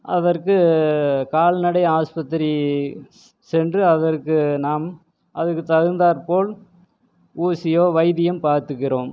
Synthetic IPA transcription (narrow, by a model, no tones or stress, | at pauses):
ʔɐ̰ðɐrkɯkaːɭnɐɽɐɪaːspɐt̪ːɾi | sɛndrɯɐðɐrkɯnaːm | ʔɐðɯkːɯt̪ɐɣɯnd̪aːɾpoːl | uːsɪjoːʋɐɪðɪjɐmpaːɾt̪ɯɣɪɾoːm